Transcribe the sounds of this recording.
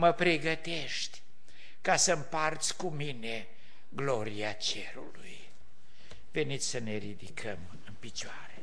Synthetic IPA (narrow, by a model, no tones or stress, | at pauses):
məpɾeɡət̪e̞ʃt̪ʲ | kasəmpart̪sʲkumine̞ | ɡlo̞ɾiat͡ʃeɾṵluj | ve̞nit̪sʲsəne̞ɾid̪ikʰəm | ɨnpit͡ʃoaɾe